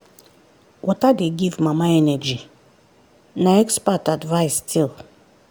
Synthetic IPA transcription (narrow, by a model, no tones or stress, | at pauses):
wʔɔtadeɡivmãmaɛnɛd͡ʒi | naɛkspatadvaɪstʰilˠ